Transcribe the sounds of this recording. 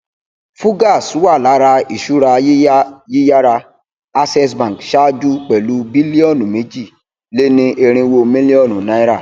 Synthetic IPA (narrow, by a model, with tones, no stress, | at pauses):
fu˦ɡa˦˨su˨˦wa˦˨la˨˦ɾa˧i˨ʃu˦ɾa˧˦ji˦ja˦ɾa˧ | a˧sɛ˧s̬bã˨kʃa˦d͡ʒu˦k͡pɛ˨lu˦bi˦li˦ɔ˦˨nũ˨me˨˦d͡ʒi˦˨ | le˦nĩ˧ʔe˧ɾ̃ĩ˧wo˧mĩ˦li˦ɔ˦˨nũ˨nã˨˦i˦ɾa˦˨